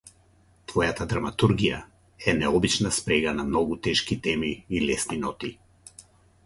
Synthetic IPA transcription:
t̪vɔjat̪ad̪ɾamat̪uɾɡija̰ | ɛnɛɔbit͡ʃnaspɾɛɡanamnɔɡut̪ɛʃkit̪ɛmiːlɛsninɔt̪i

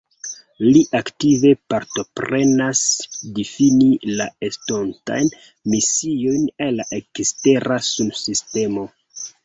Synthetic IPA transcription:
liʔaktive̞paɾto̞pɾe̞nasdifinilaestonta̰jn | misio̞jnallaʔe̞kste̞ɾasubsiste̞mo̞

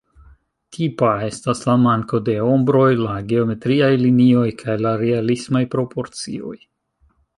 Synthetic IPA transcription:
tʰipae̞staslamaŋko̞de̞o̞mbɾo̞jlaɡe̞o̞me̞tɾiajlinio̞jkʰajlaɾe̞alismajpɾo̞pʰo̞ɾt͡sḭo̞̰j

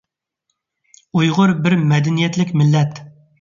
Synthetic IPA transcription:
ujʁʊɾbɪɾmɛd̪ɛnijɛt̪lɪkʲmɪlːɛt̪

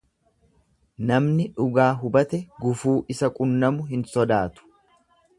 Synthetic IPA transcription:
nɐmnɪᶑʊɡaːɦʊbɐt̪ɛɡʊfuːʔɪsɐkʼʊnːɐmʊɦɪnsɔd̪aːt̪ʊ̥

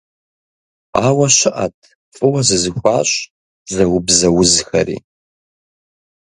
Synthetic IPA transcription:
aːwɐɕɪʔɐ̰tʰ | fʼɨwɐzɨzɨxʷaːɕ | zɐwʊbzɐwʊzxɐɾḭː

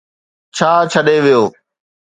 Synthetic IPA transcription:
t͡ɕʰaːt͡ɕʰəɗeʋijoː

